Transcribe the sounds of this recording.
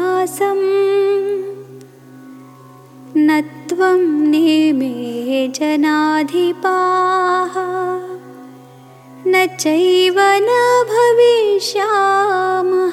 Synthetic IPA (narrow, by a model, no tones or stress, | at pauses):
aːsɐm | nɐt̪ʋɐmnemeːɦd͡ʒɐnaːd̪ʱipaːɦɐ | nɐt͡ʃɐjʋɐnɐbʱɐʋiʃaːmɐ